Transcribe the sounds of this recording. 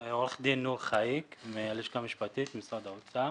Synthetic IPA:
oleχd̪inːuʁχaikmealiʃkamiʃpat̪it̪misad̪aot͡sa

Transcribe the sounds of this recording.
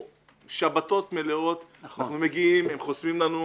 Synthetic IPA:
ʃabat̪o̞t̪me̞leo̞t̪anaaχnumeɡiimemχosmimlanu

